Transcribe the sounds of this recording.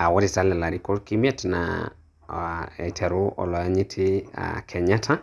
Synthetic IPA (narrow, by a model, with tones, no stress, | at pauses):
a˨wɔ˦ɾi˨ta˦lɛ˨la˨ɾi˦kɔ˦ɾki˦mi˦ɛ˦tna̰ | ɛ̰˨tʰɛ˨ɾo˦ɔ̰˨lɔ˨ja˦ɲi˦tʰɪ˦a̰kʰɛ˨ɲa˦tʰa˦